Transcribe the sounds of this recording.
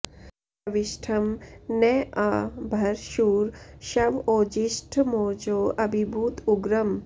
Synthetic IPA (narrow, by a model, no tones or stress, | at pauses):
ɐʋiʃʈʰɐmneʔaːbʱɐɾʃuːɾʃɐʋoːd͡ʒiʃʈʰmoːd͡ʒoːɐbʱibʱuːt̪uɡɾɐm